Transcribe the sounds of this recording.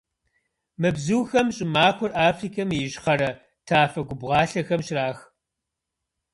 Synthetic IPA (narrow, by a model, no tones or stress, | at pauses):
mɨbzɨwxɐmɕʼɪmaːkʷʰɔrʔaːfriːkʰɐmjɪʒχɐɾɐ | tʰaːfɐɡʷʊbʁɑːɬɐxɐmʃraːx